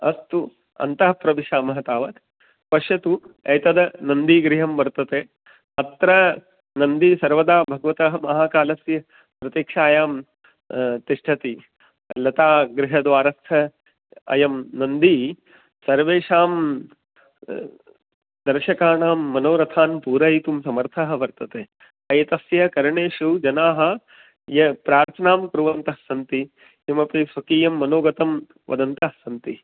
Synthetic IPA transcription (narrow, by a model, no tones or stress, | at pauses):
ɐ̰st̪u | ɐ̰nt̪ɐɦɐpɾɐʋiʃaːmɐɦɐt̪aːʋɐt̪ | pɐʃjɐt̪uɐjt̪ɐd̪ɐnɐnd̪iːɡɾɪɦɐmʋɐɾt̪ɐt̪eː | ɐt̪ɾɐ | nɐnd̪iːsɐɾʋɐd̪aːbʱɐɡɐʋɐt̪ɐɦɐmɐɦaːkaːlɐsjɐ | pɾɐt̪jiːkʂaːjaːm | t̪iʂʈʰɐt̪i | lɐt̪aːɡɾɪɦɐd̪ʋaːɾɐst̪ʰɐ | ɐ̰jɐmnɐnd̪i | sɐɾʋeːʂaːm | d̪ɐɾʃɐkaːnaːmːɐnoːɾɐt̪ʰaːnpuːɾɐjit̪umsɐmɐɾt̪ʰɐɦɐ̆ʋɐɾt̪ɐt̪eː | ɐjɐt̪ɐsjɐkɐɾɐɳeːʂud͡ʒɐnaːɦɐ̆ | jɐpɾaːɾt̪ʰɐnaːmkɾuʋɐnt̪ɐsɐnt̪i | imɐpisʋɐkiːjɐmːɐnoːɡɐt̪ɐm | ʋɐ̰d̪ɐnt̪ɐɦsɐnt̪i